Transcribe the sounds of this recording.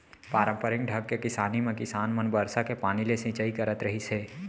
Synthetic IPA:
paːɾə̃mpəɾɪ̃ŋɖʱəɡ̚kekɪsaːnimẽkɪsaːnmənbəɾsakepaːnilesĩːt͡ʃaikəɾət̪ɾɐɦiseː

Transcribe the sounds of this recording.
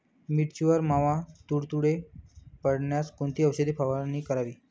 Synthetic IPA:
miʈt͡ɕuʋəɾmaʋãt̪uɽt̪uɽepəɽɳjaskont̪iːəwɕəd̪ipʰaʋaniːkəɾaʋiː

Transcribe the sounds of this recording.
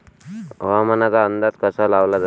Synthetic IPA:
ʋamənat͡saənd̪at̪̚kəsalaʋlad͡z̪

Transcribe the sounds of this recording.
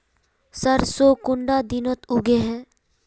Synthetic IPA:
sɐɾsoːkʊ̃ɳɖad̪ɪnət̪ʊɡeɦɛː

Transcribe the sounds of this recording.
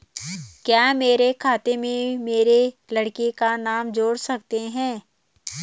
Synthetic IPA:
kjaːmeːɾekʰaːt̪emẽmeːɾelɐɽkekanaːmd͡ʒoːɽsɐkt̪eɦɛ̃ː

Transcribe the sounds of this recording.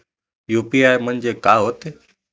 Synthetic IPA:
juːpiaːjmənd͡ʑeːkaːɦoːt̪e

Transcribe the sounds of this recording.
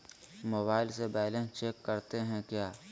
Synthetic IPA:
moːbaːɪlsebɛːlẽt͡ʃeːkːɐɾt̪eɦɛ̃kjaː

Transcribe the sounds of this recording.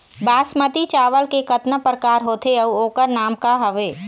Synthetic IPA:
baːsmət̪it͡ʃaːʋəlkekɐt̪nəpɾəkaːɾɦoːt̪eɐuoːkəɾnaːmkaɦɐʋeː

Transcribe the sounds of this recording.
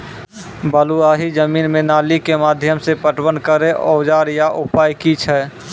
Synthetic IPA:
bəluaːɦid͡ʒəmiːnmẽnaːlikemaːd̪ʱjəmsepəʈwənkəɾeʔoːd͡ʒaːɾjaʔʊpaːjkit͡ʃʰɛː

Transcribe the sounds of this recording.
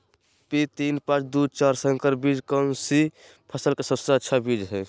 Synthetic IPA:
pit̪inpãt͡ʃʰd̪ut͡ʃaɾsə̃ŋkəɾbid͡ʒkənsi | pʰəsəlkesəst̪aətːt͡ʃʰəbid͡ʒɦɛ

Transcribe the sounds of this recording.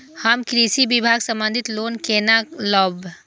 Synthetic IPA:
həmkɾisibibʱaːɡsə̃mbə̃nd̪ʱɪt̪loːnkeːnalɔːb

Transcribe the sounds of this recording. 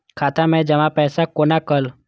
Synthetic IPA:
kʰaːt̪amẽd͡ʒəmãpɛːsakoːnakəl

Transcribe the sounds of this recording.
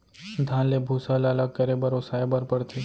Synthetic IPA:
d̪ʱãnlebʱuːsalalaɡkəɾebəɾosaebəɾpəɽt̪ʰe

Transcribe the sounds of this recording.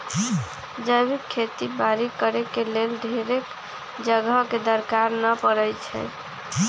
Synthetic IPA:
d͡ʒəjbikʰːet̪ibaɾikəɾekelelɖʱeɾek | d͡ʒəɡəked̪əɾkaɾnəpəɾəjt͡ʃʰɛ̰

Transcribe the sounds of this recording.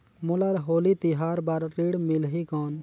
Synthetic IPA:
mʊlalɦoːlit̪iɦaːɾbaɾːiːɽmɪlɦikɔːn

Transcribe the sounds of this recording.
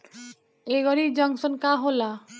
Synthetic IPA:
eɡɔɾid͡ʒʌŋsɔnkaɦola

